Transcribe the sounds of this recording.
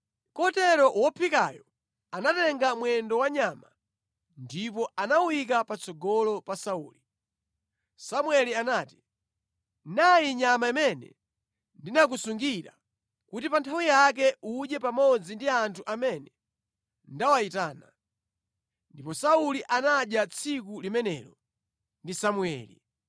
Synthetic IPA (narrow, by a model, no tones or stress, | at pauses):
kɔtɛɾɔwɔpʰika̰jɔ | anatɛŋɡamwɛndɔwaɲama | ndip̬ɔanawwik̬apat͡sʰɔɡɔlɔpasauːli | samwɛlianaːti̥ | najiɲamaimɛnɛ̰ | ndinak̬usuŋɡiɾa̰ | kutipantʰawijak̬ɛʔuʄɛpamɔd͡zindiantʰuʔamɛnɛ | ndawaitaːna | ndipɔsauliʔanaɗjat͡sʰikulimɛnɛɾɔ | ndisamuɛ̰ːlḭ